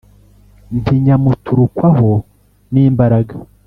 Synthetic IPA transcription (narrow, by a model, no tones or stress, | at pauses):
mpʰiɲamutʰuɾukwaɦo | niːmbaɾaɡa